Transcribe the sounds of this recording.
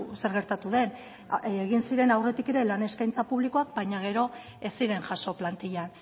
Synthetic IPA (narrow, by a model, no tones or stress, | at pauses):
se̞ɾɣ̞e̞ɾt̪at̪uðe̞n | eɣinsiɾe̞nawre̞t̪ike̞ɾe̞lane̞skajnt͡sapuβlikoak̚bajɲaɣ̞e̞ɾo̞ | e̞siɾe̞nʝaso̞plant̪iʎan